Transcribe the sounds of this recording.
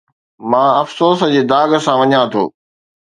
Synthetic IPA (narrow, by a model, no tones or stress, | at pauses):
mãːɐfsoːsd͡ʑeːd̪aːɡə̆sãʋɐɲãt̪ʰo̰ː